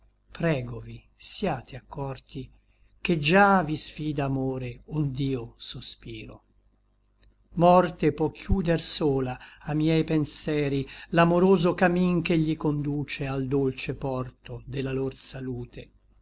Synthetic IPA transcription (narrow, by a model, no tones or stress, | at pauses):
pɾɛːɡovi | sjaːt̪ʰeakːɔrt̪i | k̟ed͡ʒavisfiːd̪aːmoːɾeund̪iːosospiːɾo̰ | mɔrt̪epwɔkjuːd̪ersoːlaamjɛjpensjɛːɾilamoɾoːzokamiŋkeʎːikond̪uːt͡ʃeald̪olt͡ʃepɔrt̪od̪elːalorsaluːt̪ʰe